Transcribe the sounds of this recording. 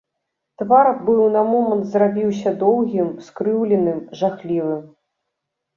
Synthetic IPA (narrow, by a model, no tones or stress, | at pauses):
t̪vaɾbɨwnɐmɔmɐnt̪zrabʲiwsʲɐd̪ɔwɣʲimskɾɨwlʲɛnɨmʐaxlʲivɨm